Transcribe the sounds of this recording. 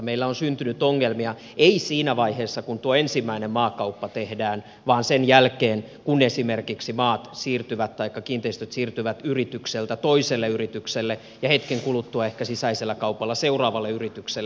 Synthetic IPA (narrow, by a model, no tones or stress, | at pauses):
meilːæonsynt̪ynyt̪ːoŋːelmiɑ | eisiːnæʋɑiheːsːɑkunt̪uoensimːæinemmɑːkɑupːɑt̪ehdæːn | ʋɑːnsenjælkeːn | kunesimerkiksimɑːt̪siːrt̪yʋæt̪t̪ːɑikːɑkiːnt̪eist̪øt̪siːrt̪yʋæt̪yrit̪ykselt̪æt̪oiselːeyrit̪ykselːe | jɑhet̪keŋkulut̪ːuɑehkæsisæiselːækɑupɑlːɑseurɑːʋɑlːeyrit̪ykselː